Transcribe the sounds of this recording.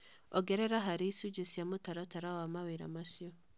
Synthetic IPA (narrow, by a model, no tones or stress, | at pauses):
oɡeɾeɾaɦaɾisuɟisjamutaɾataɾawamaβeɾa̰masio